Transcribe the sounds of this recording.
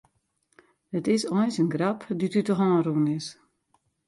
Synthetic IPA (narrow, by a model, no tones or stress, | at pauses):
dətɪsɔjsənɡrapditytɔxɔəɾuːnɪs